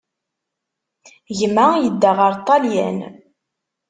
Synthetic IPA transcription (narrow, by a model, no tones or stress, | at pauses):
ʝmæjəd̪ːæʁəɾˤt̪ˤːɑljæ̰n